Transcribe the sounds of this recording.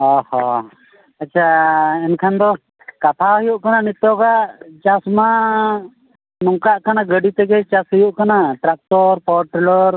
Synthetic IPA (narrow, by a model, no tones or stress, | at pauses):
ɔhɔ | at͡ʃʰaɛnkʰand̪ɔ | kat̪ʰaɦujuʔkananit̪ɔɡaʔt͡ʃasma | nɔŋkaʔkanaɡəɖit̪ɛɡɛt͡ʃasɦɔjuʔkanaʈɾak̚t̪ɔɾpɔɾʈɾɛlɔɾ